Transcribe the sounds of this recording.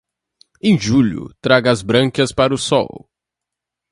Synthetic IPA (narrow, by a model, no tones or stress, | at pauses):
ẽj̃ʒuʎʊ̰t̪ɾaɡɐzbɾɐ̃kɐspaɾʊsɔ̰w